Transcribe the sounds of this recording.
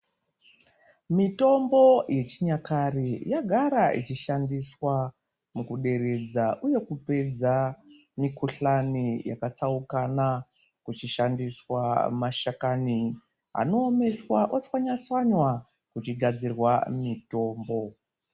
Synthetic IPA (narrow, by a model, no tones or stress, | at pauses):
mito̞mbo̞je̞t͡ʃiɲakarijaɡʱaɾait͡ʃiʃandiswa | mukuɗe̞ɾe̞d͡zaʔuje̞kupe̞d͡za | mikuɬanijakat͡saukana | kut͡ʃiʃandiswa̰maʃakani | ɦa̰no̞ːme̞swaʔot͡swaɲat͡swaɲwa | kut͡ʃiɡʱad͡zirwamito̞ːmbo̞